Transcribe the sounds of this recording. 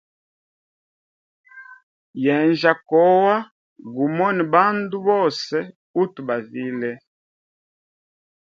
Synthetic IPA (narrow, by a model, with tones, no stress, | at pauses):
jɛ˨nd͡ʒa˨kɔ˨˦wa˦ | ɡu˨mɔ˦ni˨ba˦ndu˦bɔ˦˨sɛ˦ | u˦tu˨ba˨vi˦lɛ˦